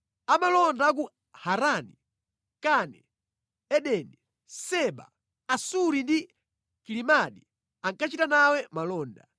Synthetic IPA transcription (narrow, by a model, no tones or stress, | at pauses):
amalɔndak̬u | haɾani | kanɛ | ɛɗɛni | sɛɓa̰ | asuɾindi | kilimaɗi | aŋkat͡ʃitanawɛmalɔːnda̰